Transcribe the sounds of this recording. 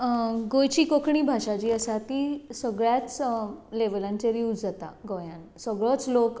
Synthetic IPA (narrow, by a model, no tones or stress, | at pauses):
ɡojt͡ɕiːkokʰɳiːbʱaʂat͡ɕiːəsat̪iːsəɡɭjat͡sleʋlãɲt͡ɕeɾiud͡zd͡zat̪a̰ɡojãnsəɡɭɔt͡slok